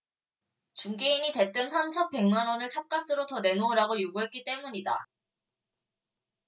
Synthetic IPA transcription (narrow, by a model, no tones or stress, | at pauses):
t͡ɕuŋɡeiɲite̞t͈ɯmsʰamt͡ɕʰʌnpe̞ŋmanwʌnɯɭt͡ɕʰap̚k͈as͈ɯɾotʌne̞noːɾaɡojuɡuɦe̞t̚k͈it͈e̞muɲida